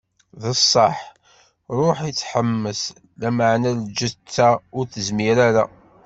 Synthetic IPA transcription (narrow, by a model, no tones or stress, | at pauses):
ðəsˤːɑħ | ɾˤoħit͡sːħəmːəs | læməʕnæld͡ʒət͡sːæʊɾθəzmiɾæɾæ